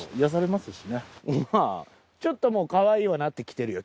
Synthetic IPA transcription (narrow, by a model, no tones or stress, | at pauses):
ijas̬aɾe̞masɨɕinema | t͡ɕo̞t̪ːo̞mo̞ːkaβaiːβanat̪ːe̞kʲi̥t̪e̞ɾɯ̟jo